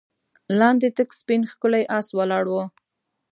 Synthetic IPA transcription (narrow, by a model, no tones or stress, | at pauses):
lɑnd̪et̪əkspinxkʊlajʔɑswalɑɽwo